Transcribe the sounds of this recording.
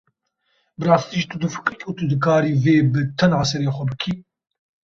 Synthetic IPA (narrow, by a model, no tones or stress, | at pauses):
bɨɾɑːst̪iːʒit̪ʰud̪ɨfɨ̥kɾikʰut̪ɨd̪ɨkʰaːɾiːveːbɨt̪ʰɛnʕasɛɾeːxʷɛbɨkʰiː